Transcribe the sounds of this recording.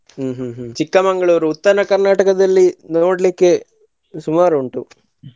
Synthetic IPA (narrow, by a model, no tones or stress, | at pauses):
ɦ̩ːɦːɦt͡ʃikːɐmɐŋɡɐɭuːɾuːt̪ːɐnɐkɐɾnaːʈɐkɐd̪ɐlːino̞ːɽlikːe̞ | sumaːɾuuɳʈu